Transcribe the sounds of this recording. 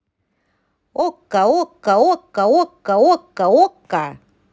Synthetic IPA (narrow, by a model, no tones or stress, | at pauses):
okːaokːaokːaokːaokːaokːa